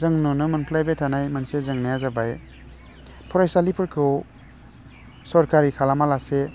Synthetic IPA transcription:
zɯŋnɔnɯmanpʰlajbetʰanajmansezɯŋnajazabaj | pʰɔɾajsalipʰɯɾkʰɯw | sɔɾkaɾikʰalamalase

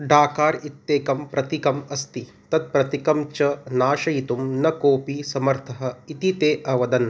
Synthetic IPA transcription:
ɖʱaːkaːɾit̪ːeːkɐmpɾɐt̪ikɐmɐst̪i | t̪ɐt̪̚pɾɐt̪ikɐmt͡ʃɐnaːʃɐjit̪umnɐkoːpisɐmɐɾt̪ʰɐɦɐ̆it̪it̪eːʔɐʋɐd̪ɐn

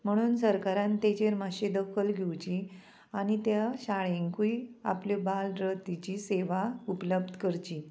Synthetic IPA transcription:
m̤əɽ̃uːnsəɾkaɾãnt̪et͡ɕeɾmaɕed̪əkʰəlɡʱewt͡ɕi | aɽ̃it̪jaɕaɭeŋkuia̰pljɔbalɾət̪it͡ɕiseʋaupləb̚d̪ʱkəɾt͡ɕiː

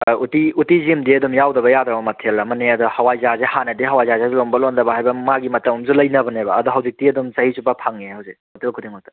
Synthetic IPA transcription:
utiutizimdiɐdumjawdɐbɐjadɾɐbɐmɐtʰelɐmɐneɐduhɐwajzazehanɐdiɦɐwajzazazelombɐlondɐbɐɦajbɐmaɡimɐtɐmumzulɐjnɐbɐnebɐːduɦɐwzik̚tiɐdumsɐhisupapʰaŋehɐwzemɐtʰelkʰudiŋmɐtɐ̥

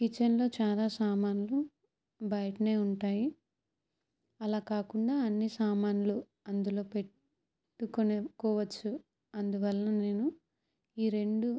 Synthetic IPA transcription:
kit͡ʃːɐnlo̞ːt͡ʃaːlaːsaːmaːnulu | bɐjɐʈɐne̞ːuɳʈaːji | ɐlaːkaːkuɳɖaːɐnːisaːmaːnulu | ɐnd̪ulo̞ːpe̞ | ʈːukonekɔːʋɐt͡ʃːu | ɐnd̪uʋɐlːɐne̞ːnu | iːɾe̞ɳɖu

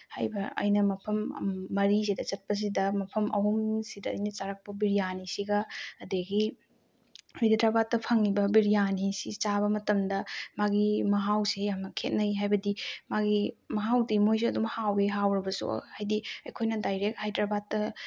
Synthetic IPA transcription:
hajbɐɐ̰jnɐmɐpʰɐm̰ːɐɾis̬idɐt͡ʃɐt̚pɐs̬idɐmɐpʰɐmɐɦumsidɐ̰ːjnɐt͡ʃaɾɐk̚pɐbiɾijanisiɡɐːdeɡi | iddɾabatːɐpʰɐŋːibɐbiɾijanisit͡ʃaβɐmɐtɐmdɐmaɡimɐɦawsejamnɐkʰet̚nɐiɦajbɐdimaɡimɐɦawdimojs̬iɐdumhaweɦawɾɐbɐsṵhajdiɐjkʰojnɐdajɾek̚hajdɾabatːɐ

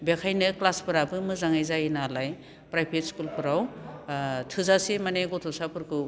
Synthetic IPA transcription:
bekʰajnɯklaspɯɾabɯmɯzaŋajzajinalaj | pɾajpʰet̚skulpʰɯɾaw | tʰɯzasemaneɡɔtʰɔsapʰɯɾkʰɯ

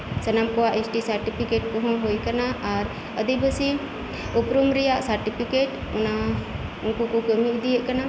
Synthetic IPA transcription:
sənamkɔwaʔesʈisaɾʈipʰikeʈ̚kɔɦɔ̃ɦujkanaːɾ | əd̪ibəsi | upɾumɾijaʔsaɾʈipʰikeʈ | naunkukukəmiʔd̪ijəʔkana

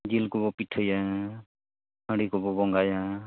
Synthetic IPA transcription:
d͡ʒilkɔbɔpiʈʰəja | ɦəɽikɔbɔbɔŋɡaja

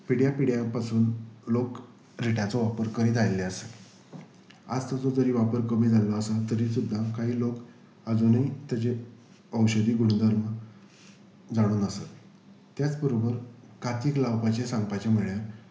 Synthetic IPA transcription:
piɽjapiɽjapasuːnlok | ɾiʈat͡sɔʋapəɾkəɾit̪ʰajlːeəset | a̰d͡zt̪ad͡zod͡zəɾiːʋapəɾkəmiːd͡zʱalɔasat̪əɾiːsud̪ʱːakaɦiːlok | əd͡zonait̪jat͡ɕe | əwɕəd̪iːɡuɽ̃d̪ʱəɾmə | d͡zaɽ̃uːnəsat̪ | t̪jat͡spəɾobəɾ | kʰat̪iːklawpat͡ɕesãŋɡpat͡ɕjameɭjaɾ

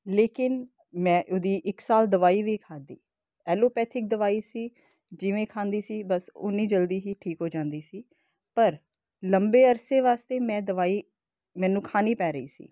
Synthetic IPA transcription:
leːkɪn | mɛ̃ːʔʊd̪iːʔɪksaːld̪əʋaːiːʋiːkʰaːd̪iː | ɛːloːpɛːt̪ʰɪk̚d̪əʋaːiːsiː | d͡ʒɪʋẽːkʰãːnd̪iːsiːbəsʊ̰niːd͡ʒəld̪iːɦiːʈʰiːkɦoːd͡ʒãːnd̪iːsiː | pəɾ | ləmbeːəɾseːʋaːst̪eːmɛ̃ːd̪əʋaːiː | mɛ̃ːnũːkʰaːniːpɛːɾəḭːsḭː

